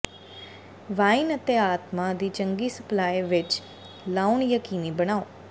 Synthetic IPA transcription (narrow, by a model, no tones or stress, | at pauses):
ʋainət̪eaːt̪mad̪it͡ʃəŋɡisəplaːjʋɪt͡ʃ | launjəkiːnibəɽ̃aːo